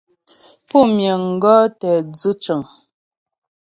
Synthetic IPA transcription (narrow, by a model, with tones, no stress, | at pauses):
pɔ˦˨mjə˨ŋ̩˨ɡɔː˦tɛ˨d͡zɨ˦t͡ʃə˨ŋ